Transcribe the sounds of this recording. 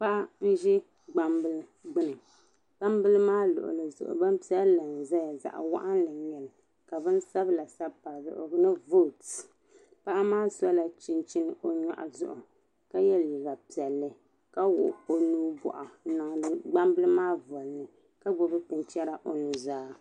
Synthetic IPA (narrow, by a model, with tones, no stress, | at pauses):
pa˦ʔa˦n̩˦ʒɛ˦ | ɡ͡ba˦mbɨ˦lɨ˦ɡ͡bɨ˦nɨ˨ | ɡ͡ba˦mbɨ˦lɨ˦maː˦lʊ̰˨ʔʊ̰˨lɨ˨zʊ̰˨ʔʊ̰˨ba˦m˦pi˦ɛ˦llɨ˨n˨za˦ja˨za̰˨ʔa̰˨wa̰˦ʔa˦nlɨ˨ɲɛ˨lɨ˨ | ka˨bɨ˦n˦sa˦bla˨sa˦bpa˨bʊ̰˨ʔo̰˨ɡnɨ˦vo˦˨t | pa˦ʔa˦maː˦sa˦la˨t͡ʃi˦nt͡ʃi˦n˦o˦ɲa̰˨ʔa̰˨zʊ̰˦ʔʊ˨ | ka˦jɛ˦lji˨ɡa˨pi˨ɛ˨lːɨ˦ | ka˦wʊ̰˨ʔo˦nuː˦bɔ̰˨ʔa˨˦na˨ŋ˨lɨ˦ɡ͡ba˦mbɨ˦lɨ˦maː˦vɔ˨lnɨ˨ | ka˦ɡ͡bʊ˨bɨ˦tɨ˨nt͡ʃɛ˦ɾa˦ʔo˦nu˨zaː˦